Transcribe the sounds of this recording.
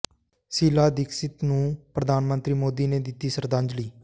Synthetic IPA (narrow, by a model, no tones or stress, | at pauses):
siːlaːd̪ɪksɪt̪nũːpɾəd̪aːnmənt̪ɾiːmoːd̪iːneːd̪ɪt̪ːiːsəɾd̪ãːɲd͡ʒliː